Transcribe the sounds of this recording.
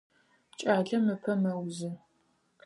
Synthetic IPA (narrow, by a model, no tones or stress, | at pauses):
t͡ʃʼaːɮɐmɨpʰɐmɐwzɨ